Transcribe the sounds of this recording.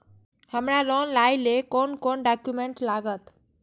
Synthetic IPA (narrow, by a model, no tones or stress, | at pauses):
həmɾalɔnlajlekonkonɖakjumẽɳʈlaːɡət̪